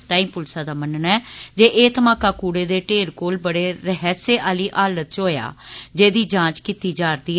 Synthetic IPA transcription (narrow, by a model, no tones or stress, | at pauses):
t̪aːĩːmpʊlsaːd̪aːmənənɛːd͡ʒeːʔeːt̪əmãːkaːkuːɽeːd̪eːʈeːɾkoːlbəɽeːɾəɦɛːseːʔaːliːʔaːlət̪̚t͡ʃɦoːja̰ːd͡ʒeːd̪iːd͡ʒãːt͡ʃkiːt̪iːd͡ʒaːɾd̪iːɛ